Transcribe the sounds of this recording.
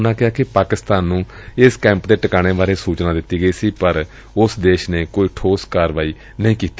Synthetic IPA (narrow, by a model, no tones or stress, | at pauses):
nãːkɪaːkɪpaːkɪst̪aːnːũːɪskɛ̃ːmpd̪eːʈəkaːɽ̃eːbaːɾeːsuːt͡ʃnaːd̪ɪt̪ːiːɡəiːsiːpəɾ | ʊsd̪eːʃnẽːkoːiːʈʰoːskaːɾʋaːiː | nəĩːkiːt̪i